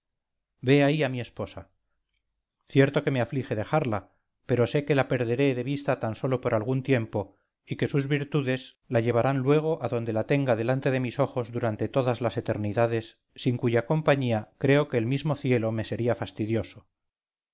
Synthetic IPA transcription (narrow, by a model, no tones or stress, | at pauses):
be̞aiamie̞spo̞sa | θje̞ɾt̪o̞ke̞me̞aflixe̞ðe̞xaɾla | pe̞ɾo̞se̞ke̞lape̞ɾðe̞ɾe̞ðe̞βist̪at̪anso̞lo̞poɾʔalɣunt̪je̞mpo̞ | ike̞suzβiɾt̪uðe̞z | laʝe̞β̞aɾanlwe̞ɣ̞o̞ʔaðo̞nd̪e̞lat̪e̞ŋɡaðe̞lant̪e̞ðe̞miso̞xo̞zðuɾant̪e̞t̪o̞ðazlase̞t̪e̞ɾniðaðe̞sː | iŋkuʝako̞mpaɲiakɾe̞o̞keːlmizmo̞θje̞lo̞me̞se̞ɾiafast̪iðjo̞so̞